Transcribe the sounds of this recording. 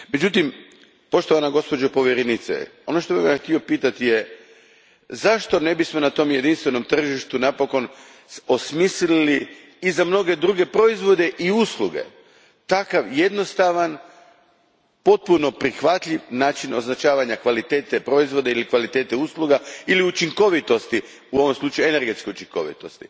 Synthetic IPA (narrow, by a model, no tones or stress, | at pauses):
me̞d͡ʑut̪im | po̞ʃt̪oʋanaɡo̞spod͡ʒopo̞ʋjeɾenit̪sḛo̞no̞ʃt̪o̞bimjaxt̪io̞piːt̪at̪ije | zaʃt̪o̞ne̞bismo̞nat̪o̞ːmje̞d̪inst̪ʋe̞no̞mt̪r̩ʒiʃt̪unapo̞ko̞n | o̞smislilliː | zamno̞ɡe̞d̪ɾuɡe̞pɾo̞izʋo̞d̪e̞ʔiuːsluɡe̞̰ | t̪akaʋje̞d̪no̞st̪aʋan | po̞t̪̚puno̞pɾixʋat̪ʎiʋnaːt͡ʃino̞znat͡ʃaːʋaɲakʋalit̪eːt̪epɾo̞izʋo̞d̪eilikʋalit̪e̞ːt̪euslˠuɡailiut͡ʃiŋko̞ʋit̪o̞st̪i | uo̞ʋo̞mslˠuːt͡ʃajuene̞ɾɡet̪ske̞ut͡ʃiŋko̞̰ʋḭt̪o̞st̪i̥